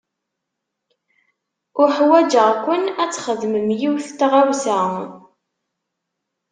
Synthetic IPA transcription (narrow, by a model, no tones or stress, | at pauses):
ʊɾħwæd͡ʒəʁkʷːənæt͡sːχəðməmjiwθt̪ʁawsæ